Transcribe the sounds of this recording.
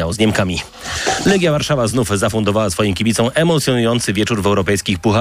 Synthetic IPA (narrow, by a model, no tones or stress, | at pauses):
awzɲɛmkamʲi | lɛɡʲjavaɾʂavaznufzafund̪ɔvawasfɔjɔ̃kʲibʲit̪sɔ̃w̃ʔɛmɔt̪sʲjɔnujɔnt̪sɘvʲjɛt͡ʂuɾvɛwɾɔpɛjskʲixpuxa